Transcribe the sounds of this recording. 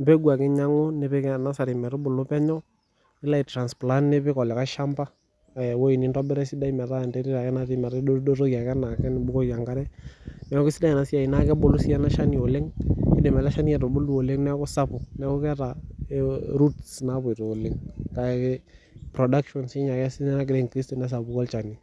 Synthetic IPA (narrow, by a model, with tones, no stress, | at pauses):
mbɛ˦ɡwa˨kɪ˦ɲa˦ŋo˦nɪ˨pɪ˦kɛ˦na˦sa˨ɾɪ˨mɛ˨ɾʊ˦bʊ˨lʊ˦pɛ˦ɲɔ˦ | ɪ˦la˦i˨tɾa˨nspla˦nnɪ˦pɪ˦kɔ˨lɛ˨ka˦ʃa˦mba˦˨ | wo˦i˨nɪ˦ntɔ˦bɪ˦ɾɛ˦sɪ˦da˦i˦mɛ˨ta˦˨ntɛ˦ɾi˦ɾa˨kɛ˦na˦tɪ˨mɛ˨ɾodo˦ɾo˦kja˨kɛ˦na˨kɛ˦nɪ˨bʊ˦ko˦ja˨ŋka˦ɾɛ˦nɛ˦kʊ˦sɪ˦da˦ɛ˨na˨si˦a˨i˨na˦kɛ˦bʊ˨lʊ˦sɪ˦ɛ˦na˦ʃa˦ni˨o˨le˦ŋɪ˦dɪ˨mɛ˨la˦ʃa˦ni˦ɛ˨tʊ˨bʊ˦lu˦o˨le˦ŋnɛ˦kʊ˦sa˦pʊ˨nɛ˦kʊ˦kɛ˦ta˨ | ɾu˦tsna˦bʊ˨ɪ˨to˨lɪ˨ŋka˨kɛ˦ | pɾɔ˨da˦kʃɔ˨nsɪ˦ɲa˨kɛ˦sɪ˦nɛ˦na˦k̬ɪɾe˦ŋkɾi˦stɔ˨nɛ˦s̬a˨bʊ˦kɔ˦lt͡ʃa˨ni˨